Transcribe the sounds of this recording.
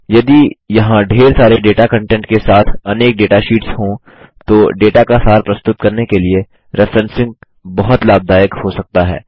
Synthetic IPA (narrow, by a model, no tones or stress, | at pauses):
jɐd̪ijɐɦãɖʱeːɾsaːɾeɖeːʈakɐ̃ɳʈɛ̃ːɳʈkesaːt̪ʰɐneːk̚ɖeːʈaʃiːʈsɦõ | t̪oːɖeːʈakasaːɾpɾɐst̪ʊt̪̚kɐɾnekelie | ɾɪfɾɛ̃nsɪ̃ŋɡ | bɐɦʊt̪laːb̚d̪ʱaːjəkhosɐk̚t̪aɦɛ̰ː